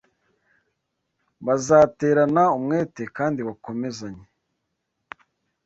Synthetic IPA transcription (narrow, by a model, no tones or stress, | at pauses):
βazaːte̞ːɾanaumŋe̞ːte̞kaːndiβako̞me̞zaɲe